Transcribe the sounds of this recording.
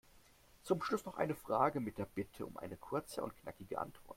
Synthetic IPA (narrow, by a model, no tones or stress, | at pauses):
t͡sʊmʃlʊsnɔχʔa̰ɪnəfʁ̥aːɡəmɪt̚d̥eːɐb̥ɪtʰəʊ̰mʔa̰ɪnəkʰʊɐt͡sə̰ʔʊ̰ntkna̰kɪɡəʔa̰ntv̥ɔɐt